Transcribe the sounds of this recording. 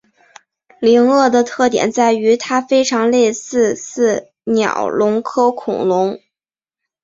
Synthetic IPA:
li˧˥ŋɤ˥˩d̪ə˩t̪ʰɤ˥˩t̪jɛ̰˨˩nt͡sa˥˩ɪy˧˥t̪ʰa˥fe˥ɪʈ͡ʂʰɑ˧˥ŋle˥˧ɪsɹ̩˥˧sɹ̩˥˩ | njɑ̰˨˩ʊlʊ˧˥ŋkʰɤ˥ʊkʰʊ̰˨˩ŋlʊ˧˥ŋ

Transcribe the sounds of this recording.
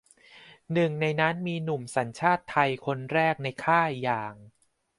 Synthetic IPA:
nɯ˨˩ŋna˧jna˦˥nmiː˧nu˨˩msa˩˦nt͡ɕʰaː˥˩t̪ʰːa˧jkʰo˧nɾɛː˥˩k̚na˧jkʰaː˥˩jaː˨˩ŋ

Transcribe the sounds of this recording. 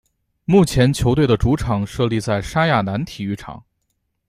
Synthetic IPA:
mu˥˩t͡ɕʰjɛ˧˥nt͡ɕʰjo˧˥t̪we˥˩ɪd̪ə˩ʈ͡ʂu˧˥ʈ͡ʂʰɑ˨˩˦ŋʂɤ˥˧li˥˧t͡sa˥˩ɪʂa˥ja˥˩na˧˥nt̪ʰi˨˩y˥˩ʈ͡ʂʰɑ̰˨˩˦ŋ

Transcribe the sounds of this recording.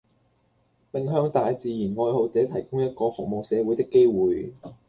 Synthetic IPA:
pɪ˨ŋɦœː˧ŋt̪aː˨jt͡siː˨jiː˨˩nŋɔː˧jho˨˧wt͡sɛː˨˥t̪ʰɐ˨˩jkʊ˥ŋjɐ˥t̚kɔː˧fʊ˨k̚mo˨wsɛː˨˧wu˨˥jt̪ɪ˥kːe˥jwuː˨j

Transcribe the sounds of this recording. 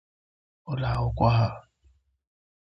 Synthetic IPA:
ʊ˦la˨ʊ˦kʷa˦ɦa˦˨

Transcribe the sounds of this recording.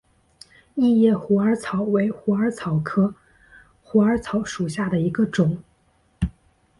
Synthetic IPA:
i˥˧jɛ˥˩xu˧˥ə˞˧˥t͡sʰɑ˨˩˦ʊwe˧˥ɪxu˧˥ə˞˧˥t͡sʰɑ˨˩ʊkʰɤ˥ | xu˧˥ə˞˧˥t͡sʰɑ˧˥ʊʂu˨˩ɕja˥˩d̪ə˩i˧˥ɡə˧ʈ͡ʂʊ˨˩˦ŋ

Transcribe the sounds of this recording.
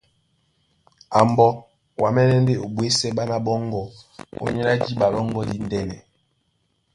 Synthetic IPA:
a˨mbɔ˦ | wa˨mɛ˦nɛ˦n˦de˦˨o˨bwe˦sɛ˦ɓa˦na˦ɓɔ˦ŋ˦ɡɔ˦o̰˦ɲɛ˦na˦d͡ʒi˦ɓa˨lɔ˦ŋɡɔ˦di˦n˦dɛ˦nɛ˨

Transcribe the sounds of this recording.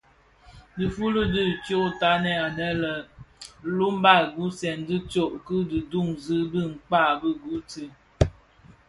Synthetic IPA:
dɨ˨fu˦lə˦dɨ˦˨t͡ʃjo˦ta˨˦nɛ˦a˨nɛ˦lə˨ | lu˦mba˦˨ɡu˦sɛ˨ndɨ˦t͡ʃo˦˨ʔkɨ˦dɨ˨du˦˨ŋzɨ˦bi˦˨ŋ̩˨k͡pa˦˨bə˦ɡu˨˦tɨ˦˨

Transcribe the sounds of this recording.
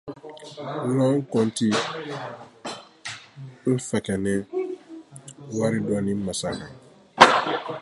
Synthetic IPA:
lɔ̃˦ŋ̩˦kɔ˨nti˦ | n̩˦fɛ˨kɛ˨nɛ˦ | wa˦ɾi˦dɔ˨nĩ˦ma˨sa˨kã˨

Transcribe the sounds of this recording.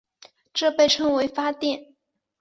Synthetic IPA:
ʈ͡ʂɤ˥˧pe˥˧ɪʈ͡ʂʰɤ˥ŋwe˧˥ɪfa˥t̪jɛ˥˩n

